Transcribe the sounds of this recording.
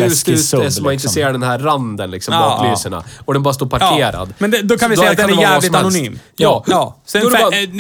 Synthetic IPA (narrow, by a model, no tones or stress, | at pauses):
st̪ʉːsɛsɔmanɪnt̪əseːɾaɖɛnhæɾːand̪ənlɪksɔmɑːklyːsəɳa̰ɔd̪ɛnbɑːɾast̪oːɾpʰaɾkʰeːɾa̰d̪mɛnd̪ɛd̪ɔkʰavɪsd̪ɛjːad̪ɛɛævːvalɪɔmaɛlʊnsyːmjɑːsɡɾ